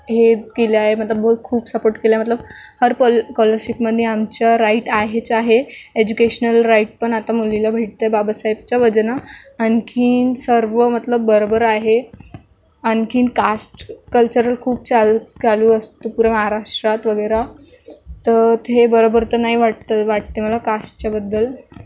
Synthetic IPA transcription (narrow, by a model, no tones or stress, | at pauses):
ɦekeliaɦemət̪ləbbəɦut̪̚kʰuːbsəpoɾʈkelajmət̪ləbhəɾpkɔləɾɕipməd̪ʱːjeamt͡ɕjaɾaiʈaɦet͡saɦeed͡ʑukeɕnəlɾaiʈ̚pəɳat̪amulːilabʱeʈ̚t̪ajbabasajib̚t͡ɕjaʋəd͡znaənkʰiːnsəɾʋəmət̪ləbːəɾobəɾaɦe | ənkʰiːnkasʈkəlt͡ɕəɾəlkʰuːb̚t͡salɡaluːəst̪upuɾəməɦaɾaʂʈɾat̪ʋəɡəjɾa | t̪ət̪ʰebəɾobəɾt̪ənaɦiʋaʈ̚t̪aʋaʈ̚t̪eməlakasʈt͡ɕjabəd̪ːəl